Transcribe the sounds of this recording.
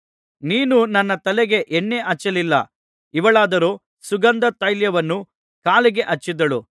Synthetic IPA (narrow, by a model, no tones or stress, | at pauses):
niːnunɐnːɐt̪ɐlɛɡe̞ʔeɳːeʔɐt͡ʃːɐlilːɐ | iʋɐɭaːd̪ɐɾoː | suɡɐnd̪ɐt̪ɐjljɐʋɐnːu | kaːliɡe̞ʔɐt͡ʃːid̪ɐɭu